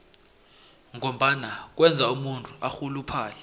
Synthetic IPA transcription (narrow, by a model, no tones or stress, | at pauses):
ŋom̩ɓanak̬wɛnd͡zʱaumuntʰuaxulupʰaːlɛ